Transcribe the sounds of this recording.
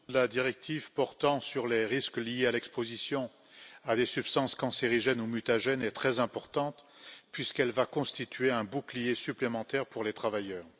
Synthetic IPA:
əlad̪iʁɛk̚t̪ʰivpɔʁt̪ɑ̃syʁleʁisklijealɛkspozisjɔ̃ | ad̪esypst̪ɑ̃skɑ̃seʁiʒɛnumyt̪aʒɛnɛt̪χɛzɛ̃pɔʁt̪ɑ̃t̪ | pɥiskɛlvakɔ̃st̪it̪ɥeɛ̃buklijesyplemɑ̃t̪ɛʁpuʁlet̪χavajœːʁ

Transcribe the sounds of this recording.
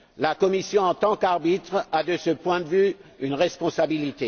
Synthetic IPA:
lakɔmisjɔ̃ɑ̃t̪ɑ̃kaʁbit̪χad̪əsəpwɛ̃d̪əvyynʁɛspɔ̃sabilit̪e

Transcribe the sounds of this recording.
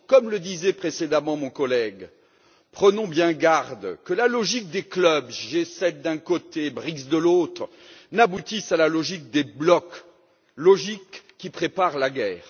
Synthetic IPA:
kɔmləd̪izɛpχesed̪amɑ̃mɔ̃kɔlɛɡ | pχənɔ̃bjɛ̃ɡaʁd̪kəlalɔʒik̚d̪eklœbʒesɛt̪̚d̪ɛ̃kot̪ebʁizd̪əlot̪χ | nabut̪isalalɔʒik̚d̪eblɔk | lɔʒikː | ipχepaʁlaɡʲɛːʁ

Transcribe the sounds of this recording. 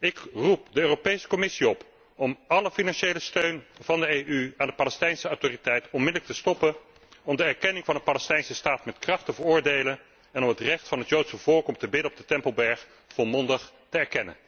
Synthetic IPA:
ɪkrup̚dəøːropejsə̥kɔmɪsiɔp | ɔmɑləfinɑnʃejləstøɥnvɑndəejʔyaːndəpaːlɛstɛjnsəawtoːritɛjtɔnmɪdələk̚təstɔpən | ɔmdəɛɹkɛnɪŋvɑndəpaːlɛstɛjnsəstaːtmɛtkrɑχtəvəɹʊːɹdejlən | ɛnɔmɦətrɛχtfɑnɦətjowtsəvɔːɹkɔmtəbɪdənɔb̚dətɛmpəlˠbɛɹχ | folˠmɔndəχ | təɛɹkɛnə̰n

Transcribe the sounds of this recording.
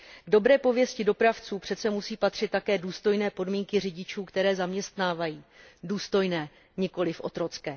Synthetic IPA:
ɡdo̞bɾɛːpo̞vjɛscɪdo̞pɾaft͡suːpr̝̥ɛt̪t͡sɛmusiːpat̪r̝̥ɪt̪ːakɛːduːst̪o̞jnɛːpo̞dmiːŋkɪr̝ɪɟɪt͡ʃuːkt̪ɛɾɛːzamɲɛst̪naːvajiː | duːst̪o̞jnɛː | ɲɪko̞lɪfʔo̞̰t̪ɾo̞t͡skɛː

